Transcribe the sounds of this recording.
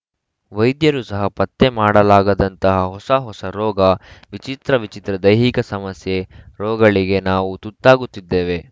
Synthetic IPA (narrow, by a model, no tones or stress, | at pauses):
ʋɐjd̪jɐɾusɐɦɐpɐt̪ːe̞maːɽɐlaːɡɐd̪ɐnt̪ɐɦɐɦɔsɐɦɔsɐɾɔːɡɐʋit͡ʃit̪ɾɐʋit͡ʃit̪ɾɐd̪ɐjɦikɐsɐmɐsje̞ɾɔːɡɐɭiɡe̞naːʋut̪ut̪ːaːɡut̪ːid̪ːe̞ːʋe̞